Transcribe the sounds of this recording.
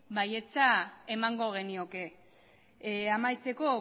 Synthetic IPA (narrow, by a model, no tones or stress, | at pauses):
baje̞t͡sae̞maŋɡo̞ɣ̞e̞nio̞ke̞ | amajt͡se̞ko̞